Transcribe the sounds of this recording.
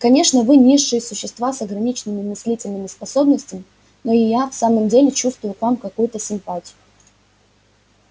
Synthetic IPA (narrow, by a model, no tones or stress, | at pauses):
kɐnʲe̞ʂnəvɨnʲiʂːɨjəsʊɕːɪst̪vasɐɡɾɐnʲit͡ɕnɨmʲɪmɨsʲlʲitʲɪlʲnɨmʲɪspɐso̞bnəsʲtʲɪmʲɪ | no̞ɪjafsaməmdʲelʲɪt͡ɕust̪vʊjʊkvamkɐkujʊt̪əsʲɪmpatʲɪjʊ